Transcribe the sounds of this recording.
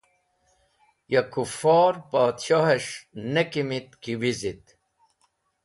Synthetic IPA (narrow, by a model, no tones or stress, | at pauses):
jakufoːɾpaːt̪ɕoɦeʂnekimit̪kiwizit̪